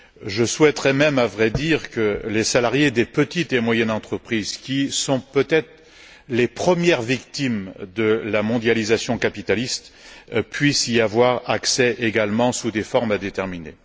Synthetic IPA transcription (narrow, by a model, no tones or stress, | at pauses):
ʒəswɛt̪ʁɛmɛmavʁɛd̪iʁkəlesalaʁjed̪epət̪it̪emwajɛnɑ̃t̪χəpχizkʲisɔ̃pøt̪ɛt̪χ | lepχəmjɛʁvikt̪imd̪əlamɔ̃d̪jalizasjɔ̃kapit̪alist̪pɥisiavwaʁaksɛʔeɡalmɑ̃sud̪efɔʁmad̪et̪ɛʁminḛ